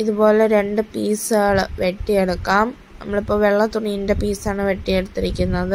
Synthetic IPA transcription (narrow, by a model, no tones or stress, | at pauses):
iðubo̞ːleɾe̞ɳɖɨpiːsaːɭɨʋe̞ʈːieɽukːaːm | nɐ̰mːɐɭipːo̞ːʋeɭːɐt̪uɳijinde̞piːsaːɳɨʋe̞ʈːieɽut̪ːiɾikʲːunːɐðɨ